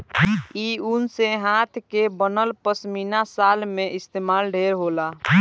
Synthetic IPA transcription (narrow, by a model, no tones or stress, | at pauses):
iunseɦãt̪ʰkebənəlpəsminasalmẽʔɪst̪eːmaːlɖʱeɾɦoːla